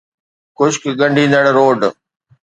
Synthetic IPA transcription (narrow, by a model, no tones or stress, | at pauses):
kʊʃkɡə̃ɳɖĩːnd̪əɽɾoːɖ